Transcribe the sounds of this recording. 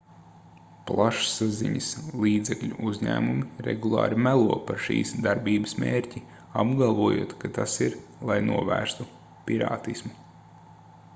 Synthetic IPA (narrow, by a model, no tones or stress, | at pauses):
plˠaʃsazḭɲəslˠiːd̪zɛkʎʲṵʔuzʲɲæ̰ːmumiɾɛ̰ɡulˠɑ̰ːɾimælˠuɔpaɾʃḭːsd̪aɾbiːbəsmeːɾcʲi | abɡalˠvuɔjṵɔt̪kat̪asiɾlˠajnuɔvæːɾst̪u | pʲiɾɑ̰ːt̪ismu